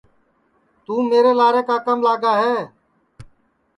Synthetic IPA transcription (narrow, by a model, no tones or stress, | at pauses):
t̪uːmeːɾeːlaːɾeːkaːkəmlaːɡaːɦeː